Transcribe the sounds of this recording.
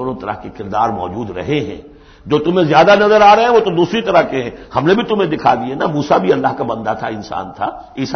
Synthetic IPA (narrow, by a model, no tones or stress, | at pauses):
oːnõt̪ɐɾə̰ɦkekɪɾd̪aːɾmɔ̰ːd͡ʒuːd̪ɾɐ̰ɦeɦɛ̰̃ː | d͡ʒoːt̪ʊmẽzjaːd̪anɐzəɾaːɾɐɦɛ̃ʋoːt̪od̪uːsɾit̪ɐɾəɦkeɦɛ̃hɐmnebʱit̪ʊmẽd̪ɪkʰa̰d̪iɛnamuːsabʱiɐlːaɦkabɐ̃nd̪at̪ʰaɪnsa̰ːnt̪ʰa̰ | ɪs